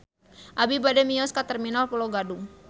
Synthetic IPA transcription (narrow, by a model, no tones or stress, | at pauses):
ʔabibadɛmiɔskat̪ɛrminalpɔlɔɡaduŋ